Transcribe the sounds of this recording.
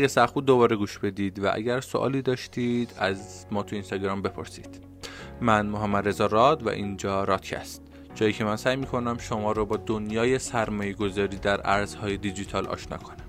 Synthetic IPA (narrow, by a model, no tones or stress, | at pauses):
æɡæsæuːd̪d̪o̞bɒːɾeɡuːʃb̥e̞d̪iːd̪væ̰ʔæ̰ɡæɾsoʔɒ̰ːliːd̪ɒːʃt̪iːd̪æz | mɒːt̪ʰuinst̪ɒɡɾɒːmbe̞pʰo̞̰ɾsḭːd̪̥ | mænmoɦæmːæd̪ɾe̞zɒɾɒd̪væ̰ʔind͡ʒɒːɾɒːt̪cʰæ̰st̪̚ | d͡ʒɒːjiːcʰe̞mænsæːjmiːkʰo̞næmʃo̞mɒːɾobɒːd̪onjɒːje̞sæɾmɒːjeɡo̞zɒːɾiːd̪æɾʔæɾz̥hɒːje̞d̪id͡ʒit̪ʰɒːlʔɒ̰ːʃnɒ̰ːkʰo̞næm